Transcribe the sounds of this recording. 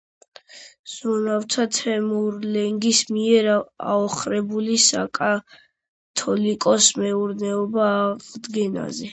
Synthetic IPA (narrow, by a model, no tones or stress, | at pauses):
z̥unaft̪ʰat̪ʰɛmuɾlɛŋɡismiɛɾa̰ɔχɾɛbulisa̰kʼa | t̪ʰɔlikʼɔsmɛuɾnɛɔbaːʁd̪ɡɛna̰zɛ